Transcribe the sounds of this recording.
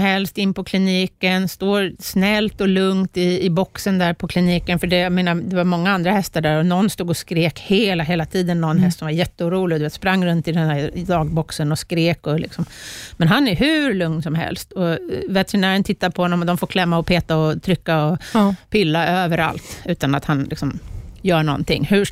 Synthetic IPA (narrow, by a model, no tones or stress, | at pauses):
mhɛlst̪ɪnːpʰɔkʰlɪniːkənst̪oːɾsnɛlt̪ɔlɵŋt̪ɪːbɔksənd̪æːɾpʰɔkʰlɪniːkənfœɖɛjameːnaɾd̪ɛvaɾmɔŋːaand̪ɾahɛst̪aɖæɾɔnɔnːst̪uːɡɔskɾeːkheːlaɦeːlat̪ʰiːd̪ənːɔnɦɛst̪sɔmvaɾjɛt̪ːəuːɾuːlɪɡd̪veːt̪spɾaŋːɾɵnt̪ɪd̪ɛnd̪æd̪ɑːɡ̚bɔksənɔskɾeːkɔlɪ̰ksɔmmɛnɦanæɦʉɾlɵŋnsɔmhɛ̰lst̪ʰɔvɛt̪ɛɾɪnæːɾənt̪ʰɪt̪ːad̪pʰɔhɔnːɔmɔd̪ɔmfoːɾkʰlɛmːaɔpʰeːt̪aɔt̪ʰɾʏkːaɔpɪlːaʔøːvəɾa̰lt̪ʉ̟ːt̪anat̪hanlɪ̰ksɔmjœːɳɔ̰nt̪ɪ̰ŋːhʉ